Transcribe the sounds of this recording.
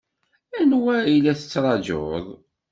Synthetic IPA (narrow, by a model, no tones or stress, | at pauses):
ænwæilæθə̥t͡sːɾˤɑd͡ʒo̰ðˤ